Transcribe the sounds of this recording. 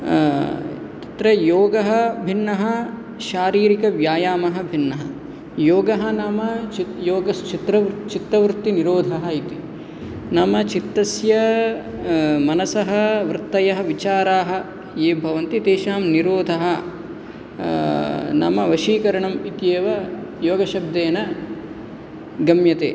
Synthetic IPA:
t̪ɐ̥t̪ɾɐjoːɡɐɦɐ̆bʱinːɐɦɐ | ʃaːɾiːɾikɐʋjaːjaːmɐɦɐbʱinːɐɦɐ | joːɡɐɦɐnɐmɐt͡ʃijoːɡɐst͡ʃit̪ɾɐʋt͡ʃit̪ɾɐʋɾt̪ːiniɾoːd̪ʱɐɦɐit̪i | nɐmɐt͡ʃit̪ːɐsjɐ | mɐnɐsɐɦɐʋɾɨt̪ːɐjɐɦɐ̆ʋit͡ʃaːɾaːɦɐ̆ | jeːbʱɐʋɐnt̪it̪eːʃaːmniɾoːd̪ʱɐɦɐ̆ | nɐ̰mɐʋɐʃiːkɐɾɐɳɐmit̪jeːʋɐjoːɡɐʃɐb̚d̪eːnɐ | ɡɐmjɐt̪ḛː

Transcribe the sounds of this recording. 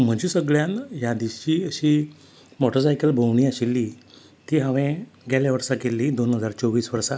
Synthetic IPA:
m̤əd͡ʑiːsəɡɭjãnjad̪iɕt͡ɕiːəɕiː | mɔʈəɾsajkəlbʱəʋɳ̃iːaɕilːiː | t̪iːɦaʋɛ̃ | ɡɛljaʋəɾsakelːiːd̪onɦəd͡zaɾt͡sɔʋiːsʋəɾsa

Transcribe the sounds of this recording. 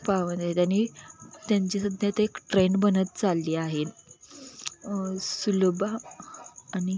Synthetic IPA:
paʋənt̪aɦet̪janiːt̪jaɲt͡ɕisud̪ʱjat̪əekʈɾeɳbənət̪̚t͡salːiːaɦet̪ | sulbaː | ñi

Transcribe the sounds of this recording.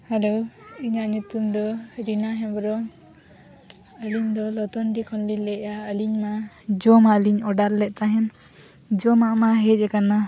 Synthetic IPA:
hɛloiɲaʔɲut̪umd̪ɔɾinaɦɛ̃bɔɾɔŋ | əliɲd̪ɔlɔt̪ɔnɖikʰɔnlilɛjaəliɲma | d͡ʒɔmaliɲɔɖaɾlɛʔ̚ˀt̪aɦɛn | d͡ʒɔmaʔmaɦɛc̚ɛkana

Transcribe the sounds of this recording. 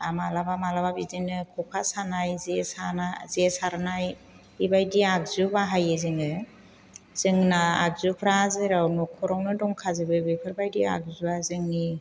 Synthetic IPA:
amalabamalababidinɯkʰɔpʰasanajzesanazesaɾnaj | ibajdiak̚zubaɦajɯzɯŋɯ | z̥ɯŋnaa̰ɡ̚zupʰɾazɯɾawnukʰɔɾɔŋnɯdɔŋkʰazɯbɯbɯjpʰɯɾbajdia̰k̚zuazɯŋi

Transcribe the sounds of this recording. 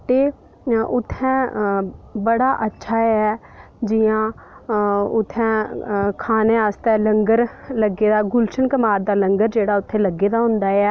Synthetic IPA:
t̪eː | ʔʊt̪ʰːɛ̃ː | bəɽaːʔətːʃʰaːɛː | d͡ʒɪjãː | ʊt̪ʰːɛ̃ːkʰaːneːaːst̪ɛːləŋɡəɾləɡeːd̪aːɡʊlʃənkəmaːɾd̪aːləŋɡəɾd͡ʒeːɽaːʊt̪ʰːẽːləɡːeːd̪aːɦʊ̃nd̪aːɛː

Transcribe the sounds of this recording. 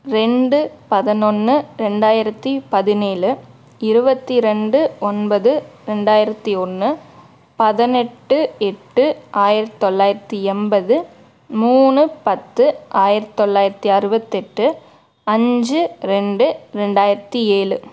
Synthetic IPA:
ɾɛɳɖɯpɐðɐnɔnːɯɾɛɳɖaːjɪɾɐt̪ːipɐðɪneːlɯ | ɪɾɯbɐt̪ːiɾɛɳɖɯɔnbɐðɯɾɛɳɖaːjɪɾɐt̪ːiɔnːɯ | pɐðɐnɛʈːɯɛʈːɯaːjɪɾɐt̪ːt̪ɔɭːaːjɪɾɐt̪ːiɛnbɐðɯ | muːnɯpɐt̪ːɯʔaːjɪɾɐt̪ːt̪ɔɭːaːjɪɾɐt̪ːiɐɾɯbɐt̪ːɛʈːɯ | ɐɲd͡ʒɯɾɛɳɖɯɾɛɳɖaːjɪɾɐt̪ːieːlɯ

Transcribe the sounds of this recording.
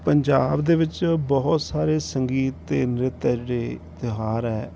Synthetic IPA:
pəɲd͡ʒaːbd̪eːʋɪt͡ʃbɔɦʊt̪saːɾeːsəŋɡiːt̪ːḛːnɾɪt̪ɛd͡ʒeɽeːt̪ɪɦaːɾɛː

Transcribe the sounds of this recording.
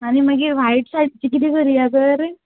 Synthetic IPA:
animəɡiːɾʋajʈsaʈt͡ɕikit̪ikəɾiaɡəɾ

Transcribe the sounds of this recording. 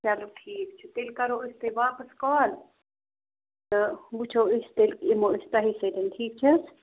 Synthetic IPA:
sɐlbʈʰiːk̚t͡ʃʰut̪elkɐɾoːist̪eʋaːpɐskɔːl | t̪ɨbut͡ʃʰoːist̪elkimoːɪst̪ɐɦised̪ɐnʈʰiːk̚t͡ʃʰɐs

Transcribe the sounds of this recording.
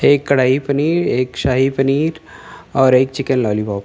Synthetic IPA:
eːkːɐɽ̤aːipɐniːɾeːkʃaːɦipɐniːɾɔːɾeːk̚t͡ʃɪkənlɔːlibɔːp

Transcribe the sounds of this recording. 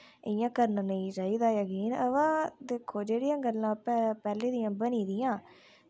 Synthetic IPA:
ɪjãːkəɾnanəĩːɾəiːd̪aːjəkiːnəʋãːd̪ekʰːoːd͡ʒeːɽɪjãːɡəlːãːpɛpɛːleːd̪ɪjãːbəniːd̪ɪjãː

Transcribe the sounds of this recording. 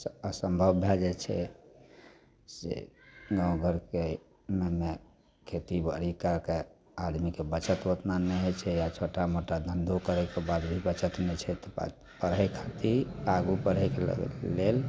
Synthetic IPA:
əsəmbʱəbːʱɛd͡ʒɛt͡ʃʰɛ̰ | sḛɡãũɡʱəɾke | meme | kʰet̪ibə̰ɾikəɾke | ad̪mikebət͡ʃət̪ʋət̪nanɛɦɛt͡ʃʰɛjat͡ʃʰoʈamoʈad̪ʱənd̪ʱokəɾɛkebad̪bʱibət͡ʃət̪nɛt͡ʃʰɛt̪ɔ̰ | pəɾɦɛkʰat̪iaɡupəɾɦɛkelə̰ɡ̰ːel

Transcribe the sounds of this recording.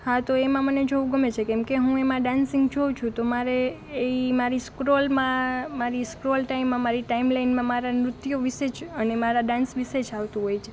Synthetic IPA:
hãt̪oemãməned͡ʒoʋũɡəmet͡ʃʰekɛmkeɦũemãɖãnsɪ̃ŋɡd͡ʒot͡ʃʰũt̪omaɾeː | imaɾiskɾolmãmaɾiskɾolʈaimːãmaɾiʈaimlainmãmaɾamɾʊt̪joʋiʃed͡ʒənemaɾaɖãnsʋised͡ʒaʋt̪ũɦojt͡ʃʰe̥

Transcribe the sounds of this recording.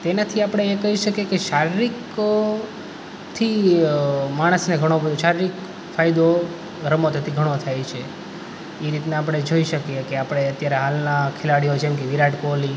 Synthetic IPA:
t̪enat̪ʰiapɽ̃eekəɦiʃəkjekeʃaɾiɾik | t̪ʰi | maɽ̃əsneɡʱəɽ̃obəd̪ʱoʃaɾiɾik | fajd̪o | ɾəmot̪ʰət̪ʰiɡʱəɽ̃ot̪ʰajt͡ʃʰe | iɾit̪naːp̬ɽ̃ed͡ʒoiʃəkjekeapɽ̃eət̪jaɾeɦalnakʰelaɽijot͡ʃʰemkiʋiɾaʈkoli

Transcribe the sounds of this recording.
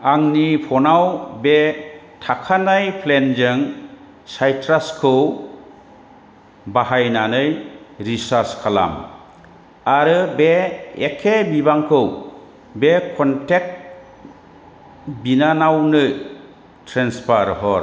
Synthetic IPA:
aŋnipʰɔnawbe | tʰakʰanajpʰlend͡ʒɯŋ | sajtʰɾaskʰɯw | baɦajnanɯjɾisaɾskʰala̰m | aɾɯbeekʰːebibaŋkʰɯw | bekʰɔntek̚t̚ | binanawnɯ | tʰɾenspʰaɾɦɔɾ

